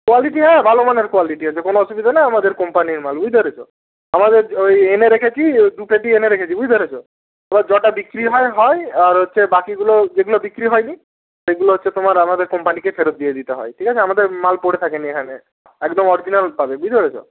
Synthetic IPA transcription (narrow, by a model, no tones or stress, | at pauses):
kwaliʈiɦɛ̃bʱalomaneɾkwaliʈiɦɔt͡ʃʰekonoɔsubid̪ʱanaamad̪eɾkɔmpaniɾmalbujd̪ʱɔɾet͡ʃʰo | amad̪eɾojeneɾekʰet͡ʃʰid̪upeʈieneɾekʰet͡ʃʰibujd̪ʱɔɾet͡ʃʰo | abad͡ʒɔʈabikɾiɦɔjɦɔjaɾɦotːʃʰebakiɡulod͡ʒeɡulɔbikɾiɦɔjni | seɡuloɦotːt͡ʃʰet̪omaɾamad̪eɾkɔmpanikepʰeɾot̪̚d̪ied̪it̪eɦɔ̰jʈʰikat͡ʃʰeamad̪eɾmalpoɽet̪ʰakeniekʰane | ekd̪ɔmɔɾid͡ʒinalpabebujd̪ʱɔɾet͡ʃʰo̰